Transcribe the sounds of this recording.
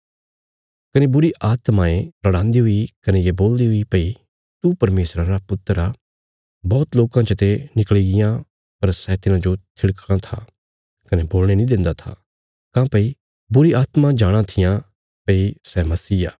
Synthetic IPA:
kɐnebʊɾiʔaːt̪mãepɾɐɽ̃ãːnd̪iɦʊikɐnejeboːld̪iɦʊipɐi | t̪upɐɾmeːsɾãɾapʊt̪ːəɾa | bɔːt̪loːkãt͡ʃət̪enɪkəɭiɡɪjã | pɐɾsɛt̪ɪnãd͡ʒot̪ʰɪɽkãt̪ʰa̰ | kɐneboːlɽ̃enĩd̪ɪ̃nd̪at̪ʰa̰ | kãːpɐi | bʊɾiaːt̪mãd͡ʒaːɽ̃ãt̪ʰɪjã | pɐisɛmɐsiːa̰ː

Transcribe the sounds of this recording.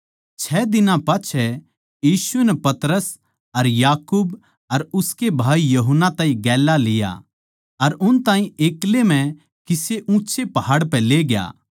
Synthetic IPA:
t͡ʃʰɛːd̪ɪnãpaːt͡ʃʰɛ | jiːsʊenɛpɐt̪ɾəs | ɐɾjaːkuːb | ɐɾʊskebʱaːijɐɦənːat̪ãːĩɡɛːlalɪja̰ | ɐɾʊnt̪ãːĩeːklemɛ̃ | kɪseʔũːt͡ʃepɐɦaːɽpɛleːɡja̰ː

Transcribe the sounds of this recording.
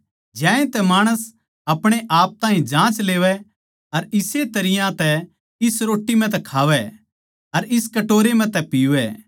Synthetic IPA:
d͡ʒãːẽt̪ɛmaːɽ̃əs | ɐpɽ̃eʔaːp̚t̪ãːɦĩd͡ʒãːt͡ʃleːʋɛ | ɐɾɪset̪ɐɾɪjãt̪ɛ | ɪsɾoːʈːimɛ̃t̪̬ɛkʰaːʋɛ | ɐɾɪskɐʈoːɾemɛ̃t̪ɛpiːʋɛ

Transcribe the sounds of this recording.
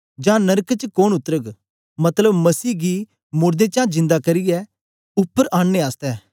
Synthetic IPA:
d͡ʒãːnɐɾkt͡ʃkoːɳʊt̪ːəɾəɡ | mɐt̪ləbmɐsiːɡi | mʊɾd̪et͡ʃãːd͡ʒɪ̃nd̪akɐɾɪjɛː | ʊpːəɾʔãːɳːeaːst̪ɛː

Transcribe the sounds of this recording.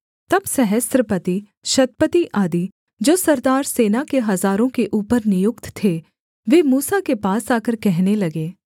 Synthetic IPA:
t̪ɐbsɛɦəst̪ɾəpət̪i | ʃɐt̪̚pət̪iʔaːd̪i | d͡ʒoːsɐɾd̪aːɾseːnakeɦɐzaːɾõkeʔuːpəɾnɪjʊkt̪t̪ʰːe | ʋeːmuːsakepaːsaːkəɾkɛɦnelɐɡeː

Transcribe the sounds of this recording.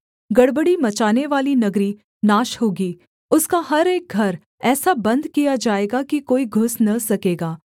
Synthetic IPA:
ɡɐɽbəɽimɐt͡ʃaːneʋaːlinɐɡɾi | naːʃɦoːɡiː | ʊskaɦɐɾeːk̚ɡʱɐɾ | ɛːsabɐ̃nd̪kijad͡ʒaːeːɡakikoːiɡʱʊsnɐsɐkeːɡaː

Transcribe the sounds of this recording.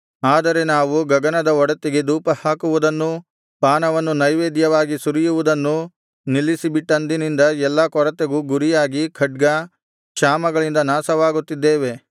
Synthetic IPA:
aːd̪ɐɾe̞naːʋuɡɐɡɐnɐd̪ɐɔɽɐt̪ːiɡe̞d̪uːpɐhaːkuʋud̪ɐnːu | paːnɐʋɐnːunɐjʋeːd̪jɐʋaːɡisuɾijuʋud̪ɐnːu | nilːisibiʈːɐnd̪inind̪ɐɛlːɐkɔɾɐt̪eɡuːɡuɾijaːɡikʰɐɖ̚ɡɐ | kʃaːmɐɡɐɭind̪ɐnaːsɐʋaːɡut̪ːid̪ːeːʋe̞

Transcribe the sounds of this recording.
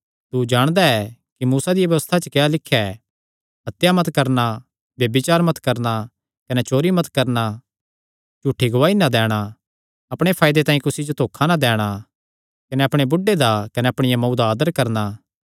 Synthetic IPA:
t̪ud͡ʒaːɽ̃d̪aɛkimuːsad̪ɪjabjɐʋəst̪ʰat͡ʃɐkealɪkʰːɛ | ɦɐt̪jamɐt̪kɐɾna | ʋjɐbɪt͡ʃaːɾmɐt̪kɐɾna | kɐnɛt͡ʃoːɾimɐt̪kɐɾna | t͡ʃuːʈʰːiɡʊaːinad̪ɛːɽ̃a | ɐpɽ̃epʰaːjd̪et̪ãːĩkʊsid͡ʒot̪ʰoːkʰːanad̪ɛːɽ̃a | kɐnɛɐpɽ̃ebʊɖːed̪akɐnɛɐpɽ̃ɪjamɐud̪aaːd̪əɾkɐɾna

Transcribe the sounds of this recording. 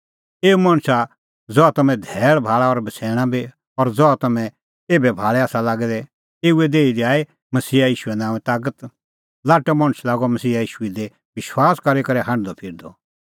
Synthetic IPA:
eːumɐ̃ɽ̃sa | d͡zɔat̪ɐmɛ̃d̪ʱɛːɭbʱaːɭaɔɾbɐsʰɛ̃ːãbi | ɔɾd͡zɔat̪ɐmɛ̃ | eːbɛbʱaːɭɛaːsalaːɡɛd̪ɛ | eːued̪eːid̪iaːe | mɐsiːajiːʃuenãːʋɛ̃t̪aːkət̪ | laːʈɛmɐ̃ɽ̃slaːɡɔmɐsiːajiːʃuid̪e | ʋɪʃwaːskɐɾekɐɾɛɦãɳɖd̪ɔpʰɪːɾd̪ɔ

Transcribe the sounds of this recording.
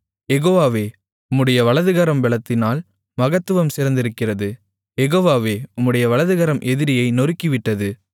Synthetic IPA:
jɛɣoːʋaːʋeː | ʊmːɯɽɐjɐʋɐɭɐðɯɣɐɾɐmʋɛɭɐt̪ːɪnaːl | mɐɣɐt̪ːɯʋɐmsɪɾɐnd̪ɪɾɯkːɪrɐðɯ | jɛɣoːʋaːʋeːʊmːɯɽɐjɐʋɐɭɐðɯɣɐɾɐmʔɛðɪɾɪjɐɪnɔrɪkːɪʋɪʈːɐðɯ

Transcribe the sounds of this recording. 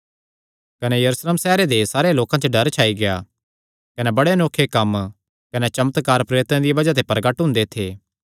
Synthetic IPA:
kɐnejɐɾusleːmsɛːɦɾed̪esaːɾealoːkãt͡ʃoɖɐɾt͡ʃʰaːiɡeja | kɐnebɐɽenoːkʰːekɐm | kɐnet͡ʃɐmət̪kaːɾpɾeːɾɪt̪ãd̪ijebɐd͡ʒat̪̬ʰepɾɐɡəʈɦʊ̃ːnd̪et̪ʰeː

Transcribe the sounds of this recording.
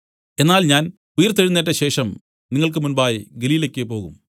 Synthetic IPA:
e̞nːaːlɲaːn | ujɐrt̪eɻunːeʈ̬ːɐɕe̞ːʂɐm | niŋːɐɭk̬ɨmunbaːjɡeliːlekʲːepo̞ːɣṵm

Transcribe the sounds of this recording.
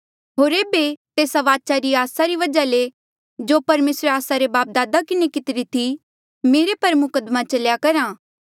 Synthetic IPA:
ɦoːɾeːbet̪eːsaʋaːt͡ʃaɾiaːsaɾiʋɐd͡ʒale | d͡ʒoːpɐɾmeːsɾeaːsaɾebaːp̚d̪aːd̪akɪnekɪt̪ɪɾit̪ʰi | meːɾepɐɾmʊkəd̪mat͡ʃɐljakɐɾaː

